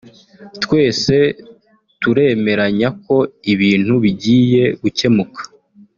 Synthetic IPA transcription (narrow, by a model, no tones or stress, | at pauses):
tkwe̞ːse̞ | tuɾe̞ːme̞ɾaɲako̞iβiːn̥huβiɟiːje̞ɡuce̞mukʰḁ